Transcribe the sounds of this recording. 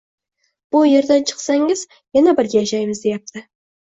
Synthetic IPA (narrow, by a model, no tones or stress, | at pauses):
b̥ʊje̞ɾd̪ant͡ʃʰə̥qsaŋɪz | janabɪɾɡʲejʃajmɨzd̪ejap̚t̪ʰɪ